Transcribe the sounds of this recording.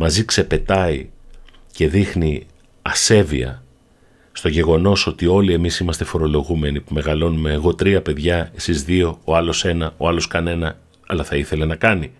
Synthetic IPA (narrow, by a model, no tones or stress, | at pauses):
mɐzikse̞pe̞t̪ɐi | ce̞ðixni | ɐse̞viɐ̰ | st̪o̞ʝe̞ɣo̞no̞so̞t̪io̞lie̞misimɐst̪e̞fo̞ɾo̞lo̞ɣume̞nipume̞ɣɐlo̞nume̞ːɣo̞t̪ɾiɐpe̞ðʝɐe̞sizðio̞oɐlo̞se̞nɐo̞ɐlo̞skɐne̞nɐ | ɐ̰lɐθɐiθe̞le̞nɐkɐni